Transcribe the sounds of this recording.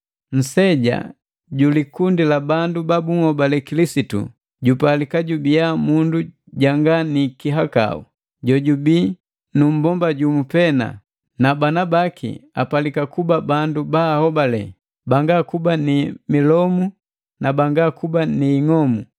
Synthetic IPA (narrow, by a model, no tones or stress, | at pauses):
n̩sɛɟa̰ | ɟulikundilabandubabuŋhɔbalɛkilisitṵ | ɟupalikaɟubijamundu | ɟaŋɡanikiɦaka̰ṵ | ɟɔɟubi | num̩bɔmbaɟumupɛna̰ | nabanabakʰḭa̰palikakubabandubaːhɔbalɛ̰ | baŋɡakubanimilɔmu | nabaŋɡakubaniːŋɔmu